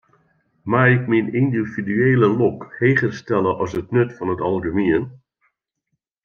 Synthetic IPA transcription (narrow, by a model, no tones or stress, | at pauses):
maːɪkminindividyeːləlɔkhejχərstɛləʔɑsətnɵtfɑnɦətɑlˠχymiən